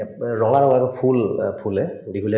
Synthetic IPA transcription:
ɹɔŋaɹɔŋakɔpʰulpʰulɛɹiɡule

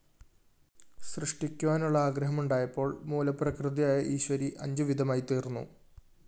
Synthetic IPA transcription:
srɨʂʈikʲːuʋaːnuɭːɐaːɡɾɐɦɐmuɳɖaːjɐpːo̞ːɭmuːlɐprɐkrɨðɐjaːjɐʔiːɕʋɐɾiʔɐ̰ɲd͡ʑɨʋid̪ʱɐmaːjit̪iːrnːṵ

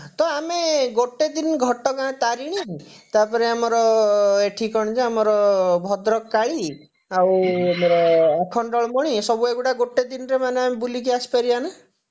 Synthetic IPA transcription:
t̪ɔameɡoʈed̪inɡʱɔʈɔkãt̪aɾiɽ̃iɦt̪apɔɾeamɔɾɔeʈʰikɔɽ̃it͡ʃʰeamɔɾɔbʱɔd̪ɾɔkːaɭi | awamɔɾɔakʰɔɳɖɔɭmɔɽ̃isɔbueɡuʈaɡoʈed̪inɔɾemaneamebulik̬iasi̥paɾiana

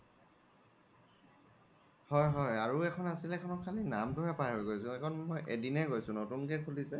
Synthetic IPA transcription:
hɔjɦɔjaɹuɛkʰɔnasilɛkʰɔnɔkʰalinamtʊɦɛpaɹɦojɡojsʊ̃ɛkʰɔnmɔjʔedinɛɡojsʊ̃notunkɛkʰulisɛ

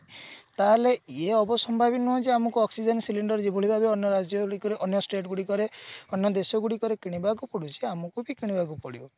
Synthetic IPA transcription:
t̪aleeɔbɔsɔmbʱabinuɔ̃d͡ʒeamɔkuɔksid͡ʒɔnsiliɳɖɔɾd͡ʒebʱoɭibʱabeɔnjɔɾad͡ʒjɔɡɽikɔɾeʔɔnjɔsʈeʈɡuɽikɔɾeɔnjɔd̪esɔɡuɽikɔɾekiɽ̃ibakupɔɽut͡ʃʰiamɔkubikiɽ̃ibak̬upɔɽibɔ

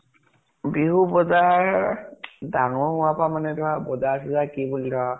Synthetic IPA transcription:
biɦubɔzaɹ | daŋɔʊapamanɛdʊɦabɔzas̬ɛzakibulidɔa

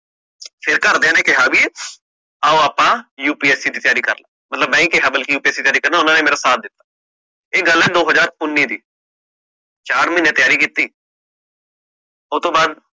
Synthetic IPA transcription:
fʰɪɾkɐɾd̪eːnekeɦaːbi | aːoapãjuːpiːɛːsid̪it̪əjaːɾikɐ̰ɾlaːmɐt̪ləbmɛ̃ːĩkeɦɐbəlkijuːpiɛːsit̪jaːɾikəɾnaʊnãnemeːɾasaːt̪̚d̪ɪt̪ḁː | eɡəlɛ̃d̪oːɦəd͡ʒaːɾʊnːid̪iː | t͡ʃaːɾmɪ̃nẽt̪əjaːɾikiːt̪ːiː | oːt̪obaːd̪

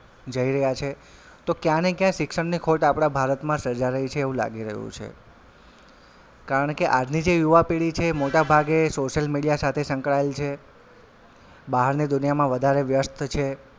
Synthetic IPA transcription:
d͡ʒəiɾəɦjat͡ʃʰe | t̪okjãnekjãʃɪkʂəɳnikʰoʈapɽ̃abʱaɾət̪mãsəɾd͡ʒaɾəɦit͡ʃʰeːʋũla̰ɡiɾə̰ɦjṵ̃t͡ʃʰḛ | kaɾəɳkeʔad͡ʒnid͡ʒejuʋapeɽit͡ʃʰemoʈabʱaɡesoʃəlmiɽijasat̪ʰesə̃ŋkɭaelt͡ʃʰe | baɦəɾnid̪ʊnijamãʋəd̪ʱaɾeʋjəst̪ʰt͡ʃʰe

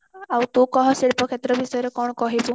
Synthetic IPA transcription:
awt̪ũkɔɦɔseɽpɔkʰet̪ɾɔbisɔjɔɾekɔɽ̃ɔkɔɦibu

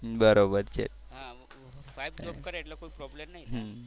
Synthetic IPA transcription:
bəɾobəɾt͡ɕḛɦã | ʋajb̚okəɾeʈlakoipɾɔblemnaɦiɦ

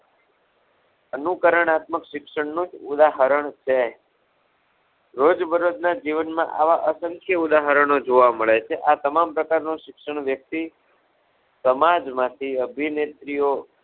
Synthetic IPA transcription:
ənukəɾəɳat̪məkʃɪkʃəɳnũd͡ʒud̪aɦəɾəɳt͡ʃʰe | ɾod͡ʒbəɾod̪nad͡ʒiʋənmã̰ʔa̰ʋaʔəsəŋkʰjəud̪aɦəɾəɳod͡ʒoʋaməɭet͡ʃʰeʔat̪əmampɾəkaɾnũʃɪkʃəɳʋjək̚t̪i | səmad͡ʒmãt̪ʰiəbʱinet̪ɾijo

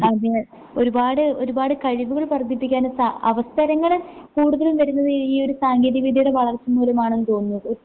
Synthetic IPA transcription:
ɐd̪e | o̞ɾubaːɽɨo̞ɾubaːɽɨkɐɻiʋuɣɐɭpɐrd̪ʱːipːikʲːaːnsaɐʋɐst̪ʰɐɾɐŋːɐɭkuːɽuðɐlumʋɐɾunːɐðɨiːo̞ɾusaːŋɡiːðiɐʋid̪ʱijuɽeʋɐɭɐrt͡ɕːɐmuːlɐmaːɳenːɨt̪o̞ːnːu

